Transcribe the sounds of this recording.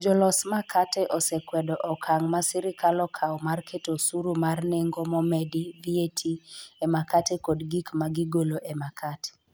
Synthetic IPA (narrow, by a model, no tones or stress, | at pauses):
d͡ʒɔlɔsmakʰatɛʔɔsɛkwɛdɔʔɔkʰaŋmasɪɾɪkalɔkʰaɔmarkʰetosuɾumarneŋɡomɔmɛdivietʰiemakatekɔdɡikmaɡɪɡoloʔemakʰate̥